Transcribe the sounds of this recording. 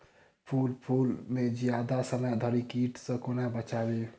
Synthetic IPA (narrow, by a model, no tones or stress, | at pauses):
pʰulpʰulmed͡ʒjad̪asəməjd̪ʱəɾikiʈsə̃konabət͡ʃabe